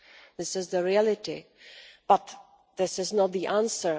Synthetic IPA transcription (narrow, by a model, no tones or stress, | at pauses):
ðɪsɪzðəɹiælɪtḭ | b̥ʌt̪ | ðɪsɪznət̪̚ðiʔæ̃nsə˞